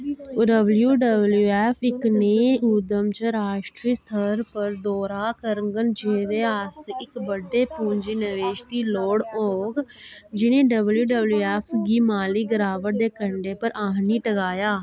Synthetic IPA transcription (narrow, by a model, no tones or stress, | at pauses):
ɖəbljuːɖəbljuːɛːpʰɪkneːuːd̪əmt͡ʃəɾaːʃʈɾiːst̪ʰəɾpəɾd̪oːɾaːkəɾəŋɡənd͡ʒeːd̪eːaːsɪkbəɖeːpuːɲd͡ʒiːnəʋeːʃt̪iːloːɽoːɡd͡ʒɪnẽːɖəbljuːɖəbljuːɛːpʰɡiːmaːliːɡəɾaːʋəʈ̚d̪eːkəɳɖeːpəɾʔaːɦniːʈəɡaːjaː